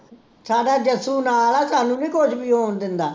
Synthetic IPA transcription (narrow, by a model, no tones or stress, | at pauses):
saːɖaːd͡ʒəsuːnaːlaːsaːnũːnĩːkʊd͡ʒbiːɦoːnd̪ɪnd̪aː